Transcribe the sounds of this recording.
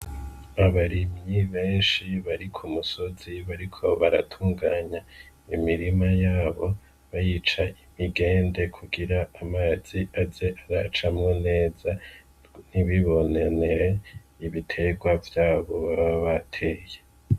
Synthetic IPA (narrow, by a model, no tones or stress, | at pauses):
aβaɾimɲiβe̞ːnʃiβaɾikʰumuso̞ziβaɾikʰo̞βaɾa̰tʰuːŋɡaːɲa | imiɾimajaːβo̞ | βajiːt͡ʃaimiɡe̞ːnde̞kʰuɡiɾaːmaːz̥iazeʔaɾat͡ʃamŋone̞ːza | niβiβo̞neneɾe | iβitʰe̞ɡwavjaːβo̞βaββaβatʰe̞ːje